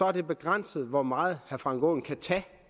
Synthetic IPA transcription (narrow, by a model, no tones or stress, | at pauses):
sɒ̽æɐd̥e̝b̥e̝ɡ̥ʁan̰səð̩ˠʋɒmɑ̈ːð̩ˠhæɐfʁɑ̈ŋɡ̥oːn̩kʰæt͡sʰɛː